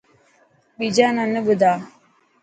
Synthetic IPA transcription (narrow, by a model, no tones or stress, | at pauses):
ɓid͡ʒananəbəd̪aː